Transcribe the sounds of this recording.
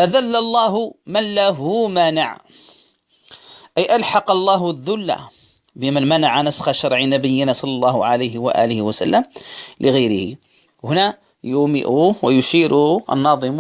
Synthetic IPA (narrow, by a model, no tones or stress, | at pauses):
ʔaðalːalˤːɑːɦʊmanlaɦʊmana̰ʕ | ʔæjʔalħɑqɑlˤːɑːɦðːʊlːa̰ | bɪmanmanaʕanasxaʃɑɾˤʕinabəjːɪnasˤɑlːɑlˤːɑːhʊʕalajɦɪwa̰ʔæ̰ːlɪhɪwasa̰lːəmlʔɪɣajɾɪhḭ | hʊna | jʊmɪ̰ʔuːwajʊʃiːɾʊʔa̰nːɑːðˤɨm